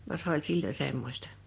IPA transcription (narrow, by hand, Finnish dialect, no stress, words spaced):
ʋɑ se ol silːo semːosʲtɑ̥